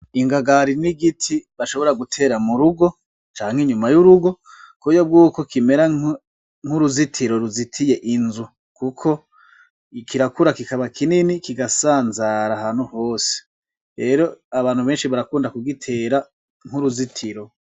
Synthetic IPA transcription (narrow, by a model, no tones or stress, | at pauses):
iŋɡaɡaɾiniɡitʰiβaʃo̞βo̞ɾaɡutʰe̞ːɾamuɾuɡo̞ | t͡ʃaːŋheɲumajuɾuɡo̞ | kujob̚ɡuːko̞kime̞ɾa | ŋ̥huɾuzitʰiɾo̞ɾuzitʰije̞ʔinzu | kukʰo̞ | kʰiɾakuɾakikaβakʰininikiɡasaːnzaɾahaːn̥huho̞ːse̥ | ɾe̞ːɾo̞aβaːnhuβeːnʃiβaɾakuːndakuɡitʰe̞ːɾa | ŋ̥huɾuzitʰiɾo̞